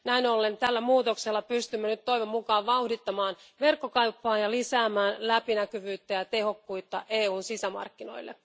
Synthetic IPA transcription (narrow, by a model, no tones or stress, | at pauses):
næinolːent̪ælːæmuːt̪okselːɑpyst̪ymːenyt̪to̞iʋemmukɑːʋʋɑuhdit̪ːɑmɑːnʋe̞rkːokɑupːɑːjjɑlisæːmæːnlæpinækyʋyːt̪ːæjɑt̪e̞ho̞kːuit̪ːɑ̰ʔe̞ːuːnsisæmɑ̰rkːino̞̰ilːḛ